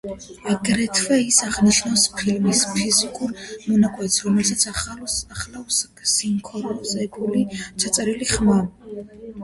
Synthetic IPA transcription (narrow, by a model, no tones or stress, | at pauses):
aɡɾɛt̪ʰvɛisaʁniʃnawspʰilmispʰizikʼuɾmɔnakʼwɛt̪sɾɔmɛlsat̪sʰaχlafs | siŋkʰɔɾɔsɛpʰulit͡ʃʰat̪sʼɛɾiliχma